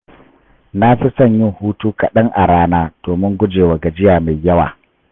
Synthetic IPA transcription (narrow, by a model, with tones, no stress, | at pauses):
na˦ɸɪ˦sɐ˦˨ɲjɪ˦ŋhuː˦tuː˦ka˨ɗɐ˦ŋʔa˨ɽaː˦naː˦d̥oː˨mɪ˦ŋɡʷʊ˦d͡ʒeː˨wa˨ɡa˨d͡ʒɪ˦jaː˨ma˨jjːɐ˦wa̰ː˨